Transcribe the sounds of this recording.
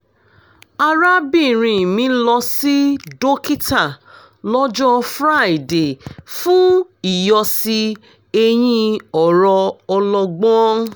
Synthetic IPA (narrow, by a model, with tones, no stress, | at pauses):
a˧ɾa˦bi˦˨ɾ̃ĩ˧˨mĩ˨˦lɔ˧si˦do˦ki˦ta˦˨ | lɔ˦d͡ʒɔ˦fɾa˦˨i˨de˨fũ˦i˨jɔ˧si˧ | e˧j̃ĩ˧ɔ˨ɾɔ˧ɔ˧lɔ˧ɡ͡bɔ̃˦